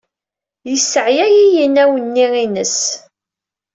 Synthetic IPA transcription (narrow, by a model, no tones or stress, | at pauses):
jəsːəʕjæjijənæwənːiʁinəs